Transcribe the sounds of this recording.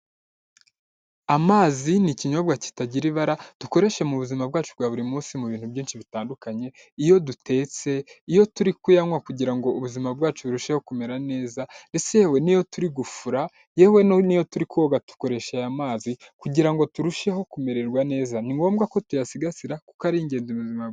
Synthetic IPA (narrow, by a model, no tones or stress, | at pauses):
amaːziniciɲo̞bɡaci̥taɟiɾiβaɾatuko̞ɾe̞ʃe̞muβuzimabɡwaːt͡ʃubɡaːβuɾimuːsimuβiːn̥hubɟiːnʃiβitaːndukaɲe̞ | ijo̞dutʰe̞ːt͡se̞ijo̞tuɾikujaŋwakuɟiɾaŋɡo̞uβuzimab̚ɡwaːt͡ʃuβuɾuʃe̞ho̞kume̞ɾane̞ːzande̞t͡sejewe̞nijo̞tuɾiɡufuɾa | jewe̞nijo̞tuɾikuoɡatu̥ko̞ɾe̞ʃejamaːzikuɟiɾaŋɡo̞tuɾuʃeho̞kume̞ɾe̞ɾɡwane̞ːzaniŋɡo̞ːmbɡako̞tujasiɡasiɾaku̥kaɾiɲɟe̞ːnzimuzima